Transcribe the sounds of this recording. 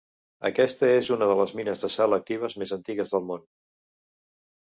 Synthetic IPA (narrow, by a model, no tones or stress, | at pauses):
ə̰kɛst̪əezunəðələzminəzðəsɛlək̚t̪iβ̞əzmezənt̪iɣəzðəlˠmon